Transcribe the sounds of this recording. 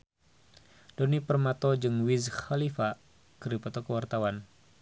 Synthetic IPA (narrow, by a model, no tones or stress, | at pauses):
dɔnipərmat̪ɔd͡ʒɨŋwizxalifa | kəɾipɔt̪ɔkəwart̪awan